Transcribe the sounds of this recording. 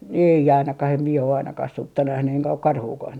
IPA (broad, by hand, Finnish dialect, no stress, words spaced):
ei ɑinɑkɑh em mie o ɑinɑkɑh sutːɑ næhny eŋkæ ok kɑrhuːkɑh